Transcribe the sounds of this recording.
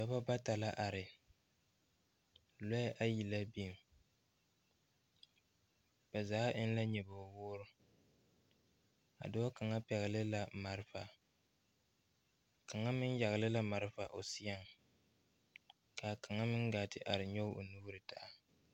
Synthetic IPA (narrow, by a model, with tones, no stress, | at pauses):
ba˨ba˦ba˦ta˨la˦ʔa˨ɾɪ˨ | lɔ˦ʔa˦ji˨la˦bi˦˨m | b̥ɛ˨zaː˨˦ʔɪ˦n˦la˦ɲɛ˨ba˨wʊː˦ɾʊ˦ | a̰˨dʊ˦a˦ka˨ŋa˦pɛ˨ɣɪ˨lɪ˦la˨ma˨ɾfa˨ | ka˨ŋa˦mɪ˦n˦ja˨ɣlɪ˦la˦ma˨ɾɨ˦fa˨ʔo˨si˦ja˦ŋ | ka˨ka˨ŋa˦mɪ˦ŋɡaː˨tɪ˦ʔa˨ɾɪ˨ɲo˦o̰˨nuː˦ɾɨ˨ta˨ʔa˦˨